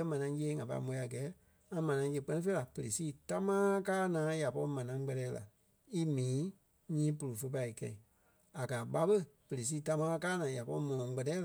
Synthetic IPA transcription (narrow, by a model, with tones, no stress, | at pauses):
ɛ˦mã˨nã˨˦ŋ˦jeː˦ŋã˨pa̰˧i˦mõ˨˧i˧˦a˨ɡɛː˨˦ | ŋã˧mã˨nã˨˧ŋ˦jə˧k͡pɜ˦nĩ˦fe˦la˨pə˨ɾe˨siː˦˨ta˧mãː˦kaː˦nãː˨˦ja˨pɔ˧ɾi˧mã˨nã˨˦ŋɡ͡bɜ˧tɛː˧˦la̰˨ | i˦mĩː˨˦ | ɲĩː˦pu˨˧ɾu˨fə˧p̬a˧i˨kɛ̰̃˧ĩ˨ | a˨kaː˨ɓa˧ɓə˦pə˨ɾe˨s̬iː˦ta˧mãː˦a˦˧kaː˦nãː˨˦ja˨pɔ˧ɾi˦mɔ̃˨ɔ̃˨ŋ˦ɡ͡bɛ˧tɛː˦l